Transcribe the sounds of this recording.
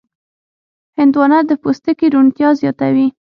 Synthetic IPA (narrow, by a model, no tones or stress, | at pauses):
hɪnd̪wɑnad̪əpost̪əkiɾunt̪jɑzjɑt̪awi